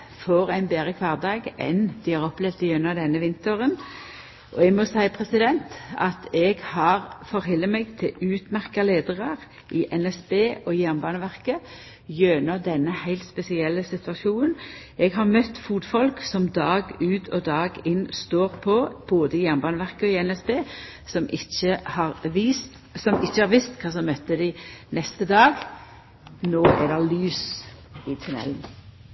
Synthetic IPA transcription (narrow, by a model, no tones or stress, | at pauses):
fɔʁæɪnbeːʁəkʰʋɑːʁd̪ɑːɡɛ̰nd̪̥ɪhɑːʁɔplɛːʋt̪ɪjœnːəd̪ɛnːəʋɪnt̪əʁən | ʔɔɛɡmɔsæɪpʰʁɛsɪd̪ɛnt̪ɑt̪ʰɛɡhɑːʁfɔʁhɛlːəmɛɡt̪ʰɪlʉːt̪mæʁkɑleːd̪əʁəʁ | ʔɪʔɛnɛsbeːʔɔjæʁmbɑːnəʋæʁkə | jønəd̪ɛnːəhæɪlt̪spɛsɪɛlːəsɪt̪ʉɑʃuːnən | ɛɡɦɑʁmœt̪ːfuːt̪fɔlksɔmd̪ɑːɡʉːt̪ʰɔd̪ɑːɡɪnst̪oːʁpʰɔb̥oːd̪əɪjæʁnbɑːnəʋæʁkəɔɪɛnɛsbeː | sɔmʔɪçəhɑʁʋist̪ | sɔmɪçːəhɑʁʋɪst̪kʰɑːs̬ɔmœt̪ːəd̪ɪnɛst̪əd̪ɑːɡ | noːɛ̰d̪ɛlyːsɪt̪ʰʉnɛ̰ln̩